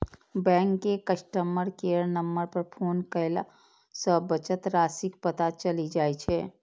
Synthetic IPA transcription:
bɛ̃ŋkːekəsʈəməɾkeəɾnəmːəɾpəɾpʰoːnkəela | səbət͡ʃət̪ɾaːsikpət̪at͡ʃəlid͡ʒaːjt͡ʃʰɛ

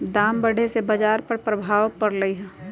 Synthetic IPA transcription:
d̪aːmbəɽ̤ʱesebəd͡ʒaːɾpəɾpɾəbʱaːʋpəɾləiɦɛ̃ː

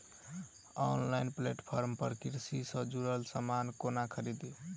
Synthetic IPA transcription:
ɔnlaɪnpleʈpʰɔɾmpəɾkiɾsisə̃d͡ʒuɾəlsəmankonakʰəɾid̪i

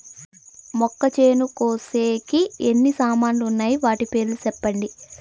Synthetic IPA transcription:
mɔkːɐt͡ʃeːnukoːseːkienːisaːmaːnluunːaːjiʋaːʈipe̞ːɾlut͡ʃɛpːɐɳɖi

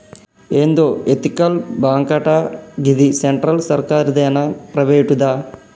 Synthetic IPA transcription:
end̪oet̪ikɐlbaːŋkɐʈaɡid̪iseɳʈɾɐlsɐɾkaːɾid̪ɐjɐnɐpɾɐʋeːjʈud̪aː

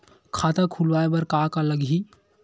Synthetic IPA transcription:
kʰaːt̪ãkʰulʋaːebɐɾkaːkaləɡɦi

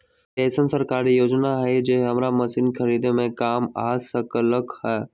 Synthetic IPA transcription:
keːsənsəɾkaːɾijoːd͡ʒnaɦid͡ʒeːɦɦɐmɾamɐsinkʰəɾiːd̪emẽkaːmaːsəkələkɦɛː

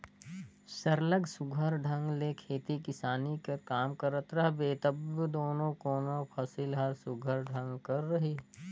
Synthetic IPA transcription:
sɐɾləɡsʊɡʱəɾɖʱɐ̃ŋɡlekʰeːt̪ikɪsaːnikekaːmkɐɾət̪ɾɐɦbeːt̪ɐbd̪oːnõkoːnõpʰɐsɪlɦɐɾsʊɡʱəɾɖʱɐ̃ŋɡkɐɾːɐɦiː

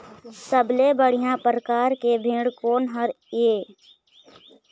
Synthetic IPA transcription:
səblebəɽ̤ijãpɾəkaːɾkebʱĩːɽkoːnɦəɾ | eː

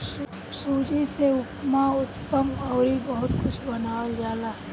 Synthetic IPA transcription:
s | suːd͡ʒiseʊpmaʊt̪pəmɔːɾibɐɦʊt̪kʊt͡ʃʰbɐnaːld͡ʒaːlaɦɛ

